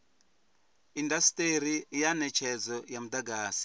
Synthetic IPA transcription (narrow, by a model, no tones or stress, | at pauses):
indastʼeɾijanɛt͡ʃʰɛd͡zɔjamud̪aɡaːsi̥